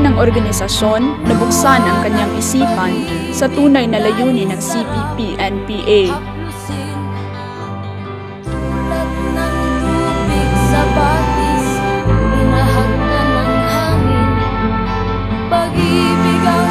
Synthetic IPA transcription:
nɐŋʔoɾɡɐnɪsɐʃonːɐbʊksanʔɐŋkɐɲaŋʔɪsiːpɐnsɐt̪uːnɐjnɐlɐjuːnɪnɐŋsipipiʔɛnpiʔaj | sɐbaːt̪i

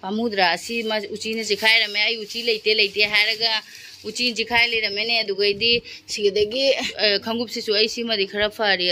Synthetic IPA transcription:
amud̪ɾaːsimɐut͡ʃinɐzikʰajɾɐmeajut͡ʃilɐjtelɐjteɦajɾɐɡɐ | ut͡ʃinzikʰajlɐjɾɐmeneɐduɡɐjdisiɡedɐɡikʰɐŋɡup̚sisuɐjsimɐdikʰɐɾɐpʰaɾi

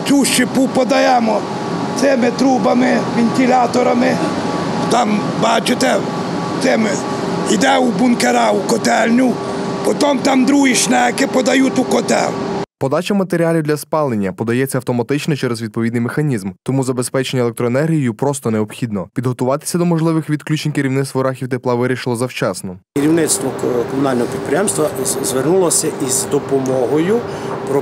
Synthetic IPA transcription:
t̪ʲuʃt͡ʃɪpupɔd̪ɐjɛmɔ | t̪sɪmɪt̪ɾubɐmɪʋʲenʲt̪ʲilʲat̪ɔɾɐmɪ | t̪ɑm | bɑt͡ʃɪt̪ɛ | t̪ɪmɪ | id̪ɛubʊnkeɾɑukɔt̪ɛlʲnʲʊ | pɔt̪ɔmt̪ɑmd̪ɾuɦiʃnɛkɪpɔd̪ɐjut̪ukɔt̪ɛ̰lpɔd̪ɑt͡ʃɐmɐt̪eɾʲiɑlʲiwd̪lʲɐspɑlˠenʲːɐpɔd̪ɐjɛt͡sʲːɐwt̪ɔmɐt̪ɪt͡ʃnɔt͡ʃɛɾɛzʋʲid̪̚pɔʋʲid̪nɪjmexɐnʲizmt̪ɔmuzɐbespɛt͡ʃenʲːɐlˠek̚t̪ɾɔenɛrɦʲijjupɾɔst̪ɔneɔbxʲid̪nɔpʲid̪ɦɔt̪ʊʋɑt̪ɪ̥sʲɐd̪ɔmɔʒlˠɪʋɪxʋʲid̪klʲut͡ʃenʲkeɾʲiwnɪt̪st̪ʋɔɾɑxʲiwt̪eplˠɑʋɪɾʲiʃɪlˠɔzɐwt͡ʃɑsnɔkeɾʲiwnɪt̪st̪ʋɔkɔmʊnɑlʲnɔɦɔpʲid̪̚pɾʲɪjɛmst̪ʋɐzʋernulˠɔsʲɐʔizd̪ɔpɔmɔɦɔjʊpɾɔ

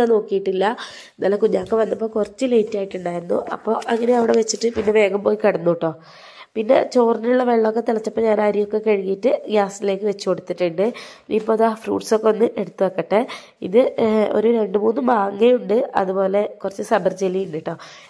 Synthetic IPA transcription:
ano̞ːkːijiʈːilːɐ | nɐlːɐkuɲːaːkːɐʋɐnːɐpːoːkurɐt͡ɕːɨle̞jtːaːjiʈːuɳɖaːjiɾunːṵʔɐ̰pːo̞ːʔɐŋːɐneɐʋiɽe̞ʋet͡ɕːiʈːɨpinːe̞ʋe̞ːɡɐmpo̞ːjikɐɽɐnːuʈːo̞ː | pinːe̞̰t͡ɕoːrnɐuɭːɐʋeɭːɐokːet̪iɭɐt͡ɕːɐpːoːɲaːnaːɾijokːe̞kɐɻiŋijiʈːɨɡaːsile̞ːkːɨʋe̞t͡ɕːuko̞ɽut̪ːiʈːiɳɖɨ | ipːoːɐðafrṵːʈso̞kːeo̞nːɨʔe̞ɽut̪ːɨʋɐkːɐʈːe | ḭðɨo̞̰ɾuɾe̞ɳɖɨmuːnːɨmaːŋːejuɳɖɨɐ̰ðupo̞ːle̞kurɐt͡ɕːɨsɐbɐrd͡ʑelːijuɳɖiʈːo̞ː

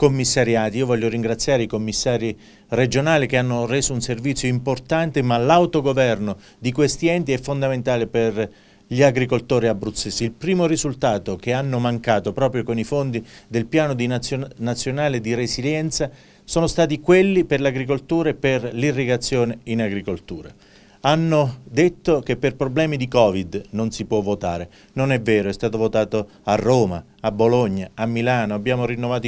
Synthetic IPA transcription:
komːisːaɾjaːt̪iiːovɔʎːoɾiŋɡɾat̪sːjaːɾeikomːisːaːɾi | red͡ʒonaːlikeanːoreːzounservit̪sːjoimport̪ant̪emalawt̪oɡovɛrno | d̪ikwest̪iɛnt̪iɛfːond̪ament̪aːleper | ʎiaɡɾikolt̪oːɾiabɾut̪sːesiilpɾiːmorizult̪aːt̪okeanːomaŋkaːt̪opɾɔːpɾjokonifond̪id̪elpjaːnod̪inat̪sːjonaːled̪irɾesiljɛnt̪sa | soːnost̪aːt̪ikwelːiperlaɡɾik̬olt̪uːɾaeperlirːiɡat̪sːjoːneinaɡɾikolt̪uːɾa̰ | anːod̪et̪ːokepːerpɾoblɛːmid̪ikɔːvid̪nonsipwɔvːot̪aːɾe | nonɛvːɛːɾoɛst̪aːt̪ovot̪aːt̪o | arːoːma | abːoloɲːaamːilaːnoabːjaːmoɾinːovaːt̪o

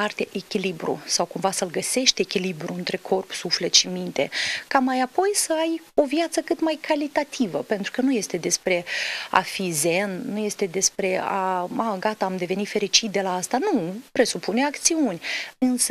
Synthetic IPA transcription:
art̪eʔekʲilibɾṵsawkumvasəlɡəse̞ʃt̪ʲekʲilibɾuɨnt̪ɾe̞kʰo̞rpsufle̞t̪ʃimint̪e̞̰kamajapo̞jsəajo̞vjat̪səkɨt̪majkʰalit̪at̪ʰivəpe̞nt̪ɾukənuje̞st̪e̞d̪e̞spɾe̞a̰fize̞nːuje̞st̪e̞d̪e̞spɾe̞aaɡat̪aːmd̪e̞ve̞nit̪fe̞ɾit͡ʃit̪̚d̪e̞laast̪anupɾe̞supuneakt̪siunʲɨnsə

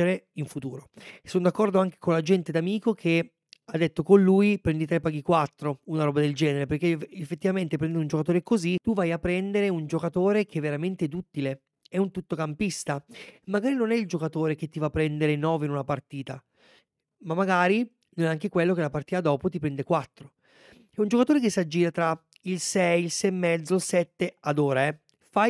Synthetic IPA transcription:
eɾeiɱfut̪uːɾosonod̪akːɔrd̪oaŋk̟e̥konlad͡ʒɛnt̪ed̪amiːkokʰe | ad̪ːet̪ːokonluːjpɾɛnd̪it̪ɾɛpːaːɡikwat̪ːɾounaɾɔːbad̪eld͡ʒɛːneɾeperkeefːet̪ːivament̪epɾɛnd̪ɾiund͡ʒokat̪oːɾekozit̪uvajapːɾɛnd̪eɾeund͡ʒokat̪oːɾek̟evːeɾament̪eɛd̪ut̪ːile | ɛunt̪ut̪ːokampist̪amːaɡaːɾinonɛild͡ʒokat̪oːɾek̟et̪ːivapːɾɛnd̪eɾenɔːveinunapart̪iːt̪a | mamːaɡaːɾi | nonɛaŋk̟ekwelːokelapart̪iːt̪ad̪ɔːpot̪̬ipɾɛnd̪ekwat̪ːɾo | ɛund͡ʒokat̪oːɾekesːad͡ʒːiːɾat̪ɾa | ilsɛjilsɛmːɛd̪zolsɛt̪ːead̪oːɾaɛ | faj

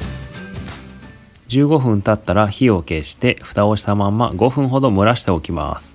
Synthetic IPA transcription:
d͡ʑɨːɡo̞ɸɯ̟̃nt̪at̪ːaɾaçio̞ke̞ɕi̥t̪e̞ɸɯ̟̥t̪ao̞ɕi̥t̪amãmːa̰ɡo̞ɸɯ̟̃ɰ̃ɦo̞d̪o̞mɯ̟ɾaɕi̥t̪e̞o̞kʲima̰sɨ̥

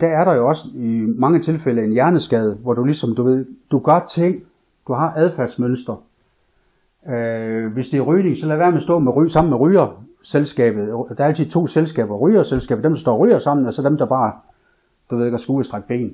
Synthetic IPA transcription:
d̥ææɐɾ̥ɑ̈jo̝ɒ̽səimɑ̈ŋət͡sʰe̝lfeləe̝njæɐnəsɡ̥ɛːð̞ˠəʋɒd̥ulisɒ̽md̥uʋe̝ð̞̰ˠd̥uɡ̥ɶɐt͡sʰeŋ̰ | d̥uhɑ̈ʔæð̞ˠfæɐdsmønsd̥ʁɐ | ʋe̝sd̥eɐʁyːne̝ŋsɒ̽læʋæɐmesd̥ɔ̰̽ːmeʁysɑ̈m̰n̩meʁyːɐ | selsɡ̥ɛ̰ːb̥ð̩ˠd̥æɐæl̰t͡sʰið̩ˠt͡sʰo̝̰ːselsɡ̥ɛ̰ːb̥ɐʁyːɐselsɡ̥ɛ̰ːb̥ɐd̥emd̥ɑsd̥ɒ̰ːʁy̰ːɐsɑ̈m̰n̩ɒsɒd̥emd̥ɑ̈b̥ɑ̈ː | d̥uʋeð̞̰ˠeɡɐsɡ̥uːsd̥ʁaɡ̥̚b̥e̝̰ːn

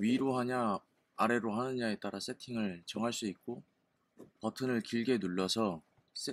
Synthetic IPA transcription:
ɥiɾoɦaɲaː | ɾe̞ɾoɦanɯnɲae̞t͈aɾas͈e̞tʰiŋɯɭt͡ɕʌŋɦaɭs͈uik̚k͈o | pʌtʰɯnɯɭkiɭɡe̞nuɭːʌsʰʌ | se

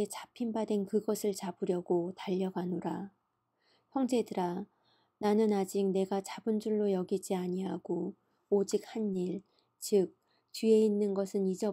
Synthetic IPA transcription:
et͡ɕḁpʰimbadwe̞nkɯɡʌsʰɯɭt͡ɕabɯɾjʌɡotaʎːʌɡanoɾa | çjʌŋd͡ʑe̞dɯɾa | nanɯnad͡ʑik̚ne̞ɡat͡ɕabɯnd͡ʑuɭːojʌɡid͡ʑiaɲiɦaɡoː | d͡ʑik̚hanːiɭ | t͡ɕɯk̚ | t͡ɕie̞inːɯnɡʌsʰɯnid͡ʑʌ

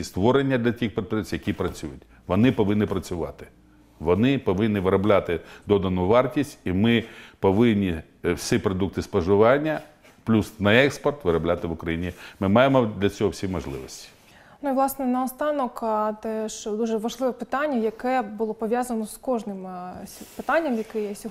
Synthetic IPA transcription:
ist̪ʋɔɾenʲːɐd̪lʲɐtʲixpet̪pɾɛsʲjɐkʲipɾɐt͡sʲujʊtʲ | ʋɔnɪpɔʋɪnːɪpɾɐt͡sʲʊʋɑ̰t̪ɪ̥ | ʋɔnɪpɔʋɪnːɪʋɪɾɐblʲat̪ɪd̪ɔd̪ɐnʊʋɑrtʲisʲtʲimɪpɔʋɪnʲːi | sʲipɾɔd̪uk̚t̪ɪspɐʒʊʋɑnʲːɐ | plʲusnɐɛkspɔrt̪ʋɪɾɐblʲat̪ɪʋʊkɾɐjinʲimɪmɑjemɔd̪lʲɐt͡sʲɔɦɔwsʲimɔʒlˠɪ̰ʋɔsʲtʲi̥ | nuiʋlˠɑsnɛnɐɔst̪ɑnɔkt̪ɛʃd̪uʒɛʋɐʒlˠɪʋɛpɪt̪ɑnʲːɐjɐkɛbʊlˠɔpɔʋʲjazɐnɔskɔʒnɪmʲpɪt̪ɑnʲːɐmjɐkɪjɛsʲɔ

